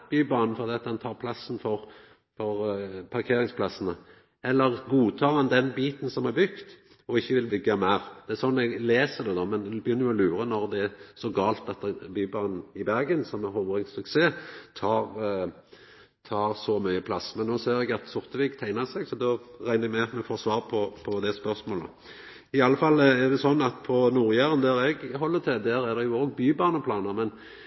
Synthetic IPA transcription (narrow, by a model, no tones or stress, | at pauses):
b̥yːbɑːnn̩fɔɾd̪iːɑt̪d̪ɛnt̪ʰɑːʁpʰlɑsn̩fɔɾ | fɔɾpʰɑʁkʰeːɾɪŋspʰlɑsən̩ə | ɛlːəʁɡuːt̪ʰɑːʁhɑnd̪ɛnbiːt̪nsɔmɛbʏkt̪ | ɔɪçːəʋɪlbʏɡɑmæɪɾd̪̥ɛæsɔnːɛɡleːsəd̪ɛd̪ɔːmɛnbəjʏnːəɾjʊɔlʉːɾənɔʁd̪ɛæsɔɡɑːlt̪ɑt̪byːbɑːnn̩ɪbæɾɡənsɔmæɾhɔbəʁɪŋsʉkseːt̪ʰɑːʁ | t̪ʰɑːɾsɔmyʏəpʰlɑsmɛnnːoːseːɾɛɡɑt̪sʊɾt̪əʋikt̪ʰæɪnəsɛɡsɔd̪ɔʁæɪnəɛɡmɛmɛfoːsʋɑːʁpʰɔpʰɔd̪ɛspœɾsmoːlə̰ | ɪɑlːəfɑlæʁd̪ɛsɔnːɑt̪pʰɔnuːɾjæːʁənd̪æɾɛɡɦɔlːət̪ʰɪd̪æɾæd̪ɛjʊoːɡbyːbɑːnəpʰlɑːnəʁmɛn